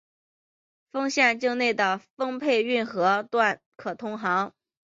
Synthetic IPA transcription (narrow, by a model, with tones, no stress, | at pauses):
fɤ˥ŋɕjɛ˥˧nt͡ɕɤ˥˧ŋne˥˩ɪd̪ə˩fɤ˥ŋpʰe˥˧ɪy˥˩nxɤ˧˥t̪wa˥˩n | kʰɤ˨˩t̪ʰʊ˥ŋxɑ˧˥ŋ